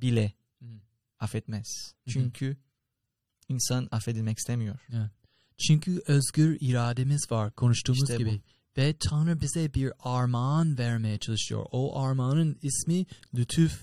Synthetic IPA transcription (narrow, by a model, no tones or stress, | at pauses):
bilʲɛ | afɛt̪mɛz̥t͡ʃʰyɲcʰy | insanafed̪ilʲmɛci̥st̪emijoɾ̥ | t͡ʃʰyɲcʰyʔøzɡyɾiɾaːd̪emizvaɾkʰo̞nuʃt̪ʰuːmuzɟibi | vɛt̪ʰanɾabizɛbiɾaɾmanvɛɾmejɛt͡ʃʰalˠɯʃɯjo̰ɾoʔaɾmaːnɯnismilʲyt̪ʰyf